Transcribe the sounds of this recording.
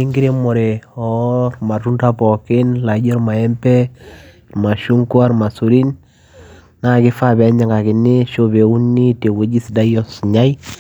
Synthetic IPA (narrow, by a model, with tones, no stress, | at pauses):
ɪ˦ŋɡɪ˦ɾe˦mɔ˨ɾe˨ɔrma˨tu˦nda˦pɔ˨kɪ˦nla˨d͡ʒɔ˦ɾma˨ɛ˦mpɛ˦ | ma˨ʃu˦ŋku˦a˦ɾma˨su˨ɾi˦n | na˦kɪ˦fa˦bɛ˨˦ɲa˦ŋɡa˨kɪ˨nɪ˦ʃo˦be˨u˦nːi˦te˨we˦d͡ʒi˦si˨da˦jɔ˦sɲa˦j